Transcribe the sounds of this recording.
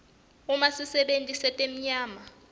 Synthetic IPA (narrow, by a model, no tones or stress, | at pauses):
umasisɛɓentʼisɛtʼem̩ɲaːma